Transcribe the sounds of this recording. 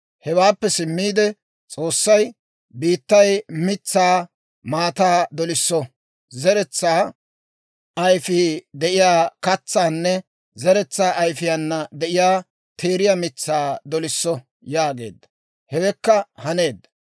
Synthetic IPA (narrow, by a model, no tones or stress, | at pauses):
hɛwaːpːɛsɪmːiːd̪ɛ | t͡sʼo̞ːsːɐj | biːt̪ːɐjmɪt͡sːaː | maːt̪aːd̪ɔlɪsːɔ | zɛɾɛt͡sːaː | ʔɐjfid̪ɛʔɪjaːkɐt͡sːaːnːɛ | zɛɾɛt͡sːaːʔɐjfɪjanːɐd̪ɛʔɪjaː | t̪ʰe̞ːɾɪjamɪt͡sːaːd̪ɔlɪsːɔ | jaːɡe̞̰ːd̪ːɐ̥ | hɛwɛkːɐhɐne̞ːd̪ːɐ̥